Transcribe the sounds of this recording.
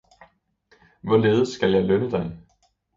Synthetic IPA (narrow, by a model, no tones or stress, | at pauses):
ʋɒle̝ːð̞ˠəsːɡ̥æljɑ̈ɪlønəd̥ɑ̈ɪ